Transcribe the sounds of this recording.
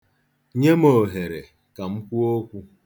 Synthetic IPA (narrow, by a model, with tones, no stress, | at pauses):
ɲe˦mo˨ɦe˨ɾe˨ | ka˨m̩˦kʷu˦o˦kʷu˦